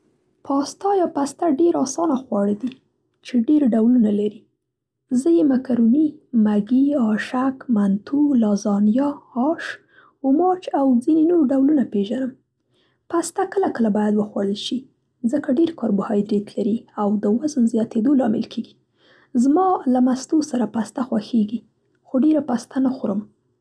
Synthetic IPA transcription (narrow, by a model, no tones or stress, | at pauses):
pʰɑst̪ɑjɑpast̪aɖeɾɑsɑnaxwɑɽəd̪i | t͡ʃeɖeɾɖawlunalaɾi | zəjemakaɾunimaɡiɑʃakmant̪ʰulɑzɑnjɑːʃ | ʊmɑt͡ʃawd͡zinenoɾɖawlunapeʒanəm | past̪akəlakəlabɑjad̪wəxwaɽəlʃi | zəkaɖeɾkɑɾbʊhɑjd̪ɾet̪laɾiawd̪əwazənzjɑt̪ed̪olɑmɪ̰lkʰeɡi | zmɑlamast̪osaɾapast̪axwaxeɡi | xoɖeɾapast̪anaxoɾəm